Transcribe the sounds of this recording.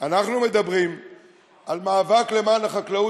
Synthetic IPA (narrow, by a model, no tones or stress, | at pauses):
anaχnumed̪abʁim | almaːvakle̞maːnaχaklau